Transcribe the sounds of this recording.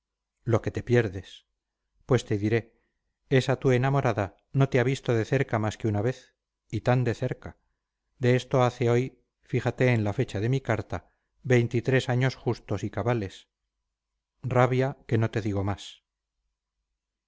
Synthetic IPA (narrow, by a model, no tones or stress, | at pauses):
lo̞ke̞t̪e̞pjeɾðe̞s | pwe̞st̪eðiɾe̞ | e̞sat̪ue̞namo̞ɾaða | no̞t̪eaβist̪oðe̞θe̞ɾkamaskeunaβe̞θ | it̪and̪e̞θe̞ɾka | d̪e̞est̪o̞aθe̞o̞j | fixat̪e̞ːnlafe̞t͡ʃaðe̞mikaɾt̪a | βe̞jnt̪it̪ɾe̞saɲo̞sχust̪o̞sikaβale̞s | raβjake̞no̞t̪e̞ðiɣo̞mas